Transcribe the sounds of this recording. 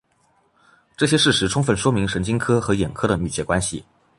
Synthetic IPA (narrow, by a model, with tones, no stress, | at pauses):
ʈ͡ʂɤ˥˩ɕ̬jɛ˥ʂɻ̩˥˩ʂɻ̩˧˥ʈ͡ʂʰʊ˥ŋfə˥˩nʂwɔ˥mi˧˥ŋʂə˧˥nt͡ɕi˥ŋkʰɤ˥xɤ˧˥jɛ˨˩nkʰɤ˥d̪ə˨my˨˩t͡ɕɥɛ˧˥kwa˥nɕḭ˨˩